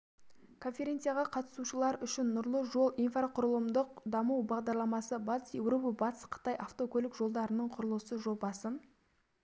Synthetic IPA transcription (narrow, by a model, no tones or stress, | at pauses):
kʰo̞nfʲe̞ɾʲe̞nt̪sɨjaʁɑqʰɑt̪ə̥suʃəlˠɑɾʏʃɪnːʊɾlˠəʒo̞lˠʔinfraqʰʊɾəlˠəmd̪əqd̪ɑmuwbɑʁd̪ɑɾlˠɑmɑsəbɑt̪əsje̞wro̞pɑbɑt̪ə̥sqʰə̥t̪ɑjʔɑft̪o̞kʲʰɵlɪkʒo̞lˠd̪ɑɾənəɴqʰʊɾəlˠəsəʒo̞bɑsən